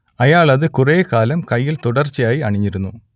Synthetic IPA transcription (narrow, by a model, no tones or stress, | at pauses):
ɐjaːɭɐðɨkureːkaːlɐmkɐjːilt̪uɽɐrt͡ɕːijaːjiɐɳiɲːiɾunːu